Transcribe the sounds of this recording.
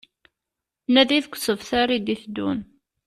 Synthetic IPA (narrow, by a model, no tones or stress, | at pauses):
næðiðkʷːsəvθaɾˤid̪iθd̪ːṵn